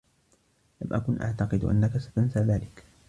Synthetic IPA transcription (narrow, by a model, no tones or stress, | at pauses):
lamʔakʊnʔa̰ʕt̪ɑqɨd̪ʔa̰nːakasḁt̪ansaːðaːlɪk